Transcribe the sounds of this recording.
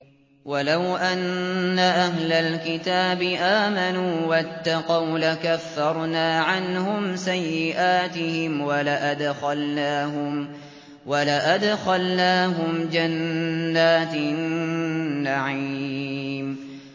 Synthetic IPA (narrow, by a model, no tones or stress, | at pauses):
walawʔanːaʔaɦlalkɪt̪aːbɪʔaːmanuːwat̪ːɑqɑwlakafːɑɾˤnaːʕanhʊmsajːɪʔaːt̪ɪhɪmwalaʔad̪xɑlnaːɦʊm | walaʔad̪xalnaːɦʊmd͡ʒanːaːt̪nː | aʕi | m